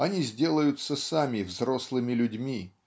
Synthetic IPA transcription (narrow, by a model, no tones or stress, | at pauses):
ɐnʲizʲdʲe̞lˠəjʊt̪səsamʲɪvzro̞slˠɨmʲɪlʲʊdʲmʲi